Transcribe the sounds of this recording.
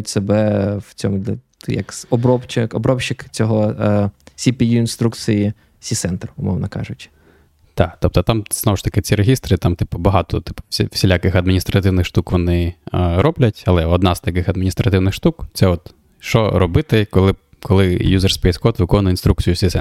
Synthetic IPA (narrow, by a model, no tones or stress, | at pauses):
tʲsebɛwt͡sʲɔmʊ | jɐ̰ksɔbɾɔpt͡ʃɪkɔbɾɔpʃɪkt͡sʲɔɦɔ | sʲipʲijuinst̪ɾuk̪sɨji | sʲisɛnt̪rʊmɔ̰ʋnɐkɑ̰ʒʊt͡ʃɪ̥ | t̪ɑkt̪ɔp̚t̪ɔt̪ɑmz̥nɔʋɔʃt̪ɐkɪt͡sʲiɾeɦʲist̪ɾɨt̪ɑmt̪ɪpɔbɐɦɑt̪ɔt̪ɪ̥pɔ̥sʲifsʲilʲakɪxɐd̪mʲinʲist̪ɾɐt̪ɪwnɪxʃt̪ukʋɔnɪɾɔblʲɐtʲɐlˠɛɔd̪nɑzt̪ɐkɪxɐd̪̚mʲinʲist̪ɾɐt̪ɪwnɪxʃt̪ukt̪sɛɔt̪ | ʃt͡ʃɔ̰ɾɔbɪt̪ɪkɔlˠɪ | kɔlˠɪjuzerspɛjskɔt̪ʋɪkɔnʊjint̪ɾuk̚t͡sʲijʊsʲisɛ